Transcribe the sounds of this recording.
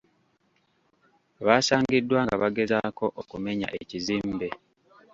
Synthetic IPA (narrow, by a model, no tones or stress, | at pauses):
βaːsaːŋɡidːwaːŋɡaβaɡe̞zako̞ʔokume̞ɲa̰ʔeciziːmbe̞